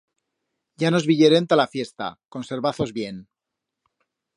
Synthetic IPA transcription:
ɟ͡ʝano̞zβiʎeɾe̞nt̪alafje̞st̪a̰ko̞nse̞ɾβaθo̞zβje̞n

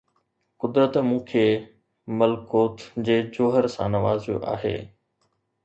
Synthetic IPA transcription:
kʊd̪ɾət̪mũːkʰeː | mɐlkoːt̪d͡ʑeːd͡ʑoːɦəɾsãːnɐʋaːzjo̰ʔa̰ːɦḛː

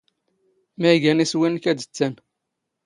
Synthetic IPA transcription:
mæɡæniswinkæd̪ə̥t͡sːæn

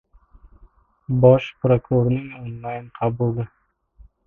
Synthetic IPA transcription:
bɒʃpɾokɾoɾnɪŋonlˠɑjnqʰɑbulˠɪ

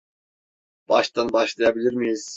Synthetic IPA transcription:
b̥ɑʃt̪ɑnbɑʃlˠɑjɑbilʲiɾmijiz̥

